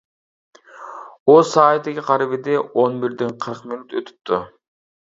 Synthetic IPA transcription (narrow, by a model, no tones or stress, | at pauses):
osɑːjt̪eɡʲiqʰɑɾɪβed̪eʔonbiɾd̪enqʰəɾqminut̪øt̪y̥p̚t̪y